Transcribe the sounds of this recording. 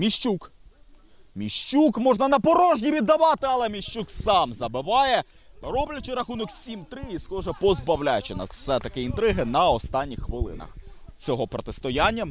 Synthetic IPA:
mʲiʃt͡ʃuk | mʲiʃt͡ʃukmɔʒnɐnɐpɔɾɔʒnʲiʋʲid̪ːɐʋɑt̪ɪɐlˠɛmʲiʃt͡ʃuksɑmzɐbɪʋɑjɛ | ɾɔblʲɐt͡ʃɪɾɐxunɔksʲimt̪ɾɪisxɔʒɛpɔzbɐwlʲajt͡ʃɪnɐ̰sɛt̪ɐkɪint̪ɾɪɦɪnɐɔst̪ɑnʲːixːʋɪlˠɪ̰nɐ̰x | t͡sʲɔɦɔpɾɔt̪ɪst̪ɔjanʲːɐ

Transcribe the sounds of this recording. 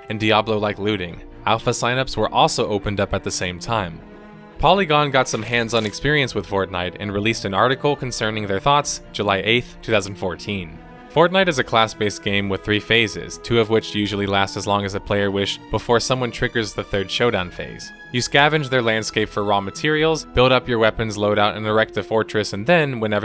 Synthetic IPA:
ɨ̃ndiɑblˠoʊlaɪklʉɾɪ̃ŋ | ælˠfəsãɪ̃nʌpswə˞ʔɔlˠsoʊʔoʊpɨ̃ndʌpɨt̪̚ðɨsẽɪ̃mtʰãɪ̃m | pʰɑlˠiɡɑ̃nɡɑtsʌ̃mɦæ̃ndz̃n̩ɨkspɪɹiɨ̃nswəð̥fɔɹtⁿnaɪɾɨ̰̃nɹilistɨ̃nɑɹɾɨkl̩ˠkʰn̩sɜ̃˞nɪ̃ŋðə˞θɔtsd̥ʒ̥ɨlaɪʔeɪθtʰʉθaʊzn̩fɔɹtʰĩn | fɔɹtⁿnaɪɾɨzɨkʰl̥æsb̥eɪsɡ̥ẽɪ̃mwɨð̥θɹifeɪzɪ̰z̥tʰʉʌvwɪt͡ʃjʉʒl̩ˠilæstɨzlɔ̃ŋɨzðɨpʰl̥eɪə˞wɪʃb̥əfɔɹsʌ̃mwʌ̃ntʰɹ̥ɪɡə˞zðɨθɜ˞d̥ʃoʊɾãʊ̃nfḛɪz̥ | jɨskævɨ̃nd͡ʒðə˞læ̃nd̥skeɪpfə˞ɹɔmɨtʰɪɹil̩ˠzb̥ɪlˠɾʌpjə˞wɛpɨ̃nzloʊɾaʊɾɨ̰̃nə˞ɛk̚t̪̚ðɨfɔɹt͡ʃɹ̥ɨsɨ̃nðɨ̃nwə̃nɛvə˞

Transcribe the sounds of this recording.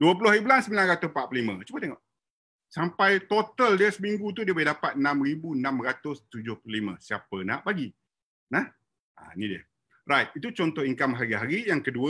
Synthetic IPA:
duəp̬ulʊhibəlansəmbilanɾat̪ʊspaʔpəlimə̰̃t͡ʃubət̪eŋɔʔ | sampajt̪ot̪əldiəsəmiŋɡut̪̬udiəboidapat̪̚ənãmribuənãmɾat̪ʊst̪ud͡ʒʊhplulimə̰̃siapəna̰ʔbaɡi | nah | ʔa̰nidiə | rajt̪̚it̪ut͡ʃɔnt̪ɔhiŋkamɦaɾiɦaɾijaŋkəduə

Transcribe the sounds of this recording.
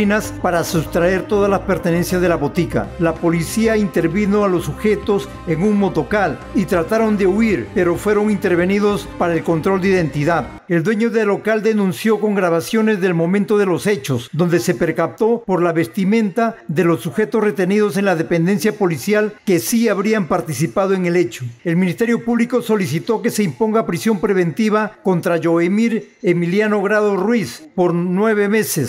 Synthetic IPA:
inaspaɾasust̪ɾae̞ɾt̪oð̞azlaspe̞ɾt̪ene̞nsjazðe̞laβo̞t̪ika̰lapo̞lisiaint̪e̞ɾβino̞alo̞sːuxe̞t̪o̞s | eŋuŋmot̪o̞kal | it̪ɾat̪aɾo̞nd̪e̞uiɾpe̞ɾo̞fwe̞ɾo̞ŋint̪e̞ɾβe̞niðo̞spaɾaelkont̪ɾo̞ld̪eiðe̞nt̪iðað | e̞ld̪we̞ɲo̞ðelokald̪e̞nũnsjo̞ko̞ŋɡɾaβasjo̞ne̞zðe̞lmo̞mẽnt̪o̞ðe̞lo̞se̞t͡ʃo̞sd̪o̞nd̪e̞se̞pe̞ɾkap̚t̪o̞po̞ɾlaβe̞st̪imẽ̞nt̪aðelo̞sːuxe̞t̪osre̞t̪e̞niðo̞se̞nlaðe̞pe̞nd̪e̞nsjapo̞lisjalke̞siaβɾiampaɾt̪isipað̞oeŋe̞let͡ʃoe̞lmĩnist̪e̞ɾjo̞puβliko̞so̞lisit̪o̞ke̞se̞impo̞ŋɡapɾisjo̞mpɾe̞β̞e̞nt̪iβako̞nt̪ɾaʝo̞emiɾ | e̞miljano̞ɣɾaðorwispoɾnwe̞β̞e̞me̞ses

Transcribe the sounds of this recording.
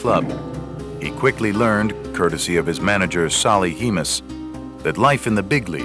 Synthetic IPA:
kʰl̥ʌb̚hḭkʰw̥ɪklilɜ̃˞nkʰɜ˞ɾɨsiʌv̥ɨzmænɨd͡ʒə̥˞sɑlˠihimɨs | ðɨtˡlaɪfɨ̃nðɨbɪɡlḭ

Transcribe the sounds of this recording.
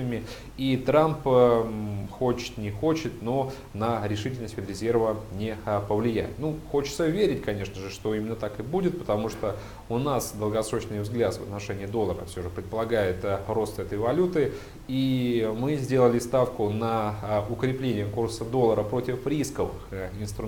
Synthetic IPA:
əmʲɪ | it̪ɾamp | xot͡ɕɪ̥t̪nʲɪxot͡ɕɪt̪no̞ | nəɾʲɪʂɨtʲɪlʲnəsʲt̪ʲfʲɪd̪ɾʲɪzʲe̞rvənʲɪpəvlʲɪjæ̰jɪ̰t̪nuxo̞t͡ɕɪ̥t̪səvʲeɾʲɪtʲkɐnʲe̞ʂnəʐɨʂt̪oimʲɪnːət̪akɨbudʲɪt̪̚pə̥t̪ɐmuʂt̪o | ʊnasd̪əlˠɡɐsɾot͡ɕnɨjvzɡlʲat̪svə̰t̪nɐʂɛnʲɪjəd̪o̞lˠəɾə̰fsʲoʐɨpɾʲɪt̪̚pəlˠɐɡajɪt̪ro̞st̪ɛt̪əjvɐlʲut̪ɨ | imɨzʲdʲe̞lˠəlʲɪst̪afkʊnəʊkɾʲɪplʲenʲɪjəkursəd̪o̞lˠːəɾəpɾo̞tʲɪfɾʲiskəvɨxɪnst̪ɾʊ

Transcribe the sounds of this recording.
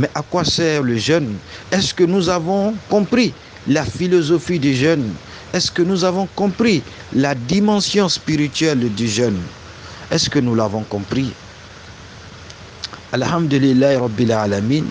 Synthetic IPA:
mɛʔakwasɛʁləʒœnɛskənuzavɔ̃kɔ̃pχi | lafilozofid̪eʒɛn | ɛskənuzavɔ̃kɔ̃pχi | lad̪imɑ̃sjɔ̃spiʁit̪ɥɛld̪yʒœn | ɛskənulavɔ̃kɔ̃pχi | alhamd̪əlilːaɾɑbːilalamin

